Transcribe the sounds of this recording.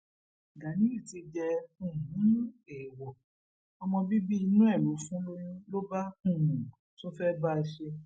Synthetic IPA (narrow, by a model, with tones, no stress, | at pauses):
ɡa˨˦nĩ˦i˦˨ti˧d͡ʒɛ˧ũ˦˨ɦũ˨˦nũ˦ɛ˨wɔ˨ | ɔ˧mɔ̃˧bi˦bi˦i˧nũ˦ɛ˦˨lo˨˦fũ˦lo˦jũ˦lo˦ba˦ũ˦˨nũ˨ | to˦fɛ˦ba˦˧ʃe˧